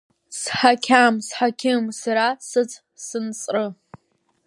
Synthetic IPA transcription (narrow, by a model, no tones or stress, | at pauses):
sħakʲʰamsħakʲʰɪmsaɾasɨt͡sʼ | sɨnt͡sʼrɨ